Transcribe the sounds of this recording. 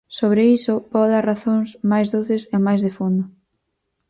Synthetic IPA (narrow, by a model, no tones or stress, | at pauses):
soβɾeisʊpɔðaraθoŋsmajzðuθɪsemajzðefond̪ʊ